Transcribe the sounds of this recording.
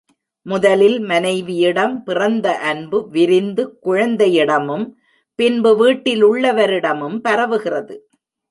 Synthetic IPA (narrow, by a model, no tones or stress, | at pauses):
mʊðɐlɪlmɐnɐɪʋɪjɪɽɐmpɪrɐnd̪ɐʔɐnbɯʋɪɾɪnd̪ɯkʊɻɐnd̪ɐjɪɽɐmɯm | pɪnbɯʋiːʈːɪlʊɭːɐʋɐɾɪɽɐmɯmpɐɾɐʋɯɣɪrɐðɯ